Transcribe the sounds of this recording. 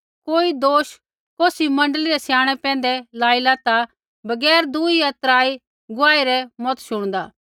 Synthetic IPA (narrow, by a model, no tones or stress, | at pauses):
koːid̪oːʃ | koːsimɐ̃ɳɖəliɾɛsjaːɽ̃ɛpɛ̃ːn̆d̪ɛlaːilat̪a | bɐɡɛːɾd̪uiɐt̪ɾaːi | ɡʊaːiɾɛmɔt̪ʃʊɽ̃d̪aː